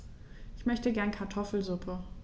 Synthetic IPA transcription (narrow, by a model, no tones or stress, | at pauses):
ʔɪçmœçtəɡɛɐnkʰaɐtʰɔfl̩zʊpʰə